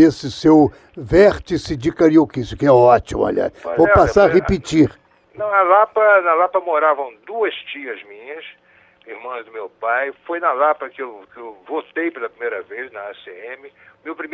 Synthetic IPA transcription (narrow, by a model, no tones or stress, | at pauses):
esɪsew | vɛɾt͡ʃisɪd͡ʒɪkaɾiokisjʊkɪɛɔt͡ʃimʊ̰a̰ʎa̰ɾvowpasaɾaʁepit͡ʃiɾ | nɐ̃w̃ɐlapɐnɐlapɐmoɾavɐ̃w̃d̪uɐst͡ʃiɐzmĩɲɐs | ihmɐ̃zd̪ʊmewpajfojnɐlapɐkɪewkɪewvot̪ejpelɐpɾimejɾɐvejznɐaseẽmɪʊmewpɾime